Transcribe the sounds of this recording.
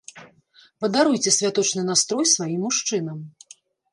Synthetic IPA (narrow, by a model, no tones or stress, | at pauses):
pɐd̪aɾujt͡sʲɛsʲvʲat̪ɔt͡ʂnɨnast̪ɾɔjsvajimːuʂt͡ʂɨnɐm